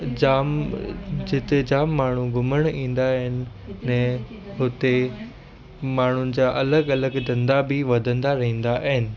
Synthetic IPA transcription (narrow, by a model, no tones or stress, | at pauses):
d͡ʑaːm | d͡ʑɪt̪ed͡ʑaːmːaːɳ̤uɡʱʊməɽ̃ĩːn̆d̪aɦɪnɪ̆ː | ɛ̃ː | ɦʊt̪e | maːɳ̤ʊnɪ̆d͡ʑaːʔɐləɡɐləɡd̪ɐ̃nd̪abɪʋɐd̪ʱə̃nd̪aɾɐɦĩːn̆d̪aʔɦɪnɪ̆